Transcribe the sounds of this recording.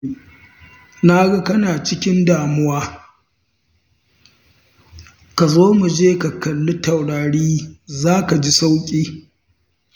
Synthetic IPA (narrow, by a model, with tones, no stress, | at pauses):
na˦ɡɐ˦kɐ˦naː˨t͡ʃɪ˦kʲɪ˦ndaː˨mʊ˦waː˦ | ka˨zoː˦mu˨d͡ʒeː˦ka˨kɐ˨lːʊ˦ta˨wɽaː˨ɽiː˦zaː˦ka˨d͡ʒi˦sa˦wkʲʼiː˦